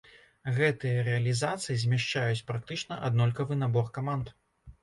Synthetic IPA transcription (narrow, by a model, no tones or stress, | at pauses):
ɣɛt̪ɨjɐɾɛɐlʲizat̪sɨjizʲmʲaʂt͡ʂajut͡sʲpɾak̚t̪ɨt͡ʂnɐʔa̰d̪nɔlʲkɐvɨnabɔrkamant̪